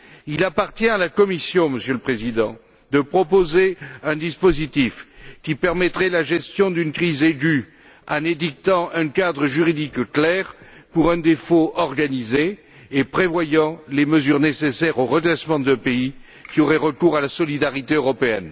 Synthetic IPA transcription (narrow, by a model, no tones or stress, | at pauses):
ilapaʁt̪jɛ̃alakɔmisjɔ̃məsjøləpχezid̪ɑ̰̃ | d̪əpχɔpozeɛ̃d̪ispozit̪ifkʲipɛʁmɛt̪χɛlaʒɛst̪jɔ̃d̪ynkχizeɡy | ɑ̃ned̪ik̚t̪ɑ̃ʔɛ̃kad̪ʁəʒyʁid̪ikklɛʁpuʁɛ̃d̪efoʔɔʁɡanizeː | pχevwajɑ̃leməzyʁnesesɛʁoʁəd̪ʁɛsmɑ̃d̪ɛ̃pei | kʲioʁɛʁəkuʁalasɔlid̪aʁit̪eøʁɔpeɛn